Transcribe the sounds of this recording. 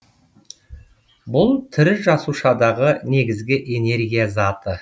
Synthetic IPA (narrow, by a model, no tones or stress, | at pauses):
bʊlˠt̪ʰɪɾɪʒɑsuʃɑd̪ɑʁəne̞ɡʲɪzɡʲɪʔe̞ne̞ɾɡʲijazɑt̪ə